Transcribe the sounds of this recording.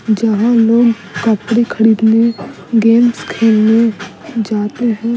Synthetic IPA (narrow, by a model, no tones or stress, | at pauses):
d͡ʒəɦãloːɡ | kəpɽekʰəɾiːd̪ne | ɡeːmskʰeːlned͡ʒaːt̪eɦɛ̃ː